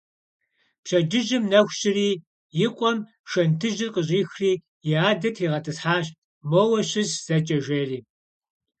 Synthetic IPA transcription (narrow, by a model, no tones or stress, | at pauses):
pɕɐd͡ʒɨʒɪmnɐxʷɕʼɪriː | jɪqʷʼɔm | ʃɐntʰɨʒɪrqəɕ̬ʼiːxriː | jɪaːdɐtʰiːʁɐtʰɨsħaːɕ | mowɐɕɪzz̥ɐt͡ʃʼɐʒʷeːriː